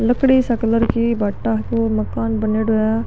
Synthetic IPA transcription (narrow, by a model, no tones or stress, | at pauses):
ləkɽiːsəkləɾkiːbaʈːaːt̪oːməkaːnbəneːɽoːjaː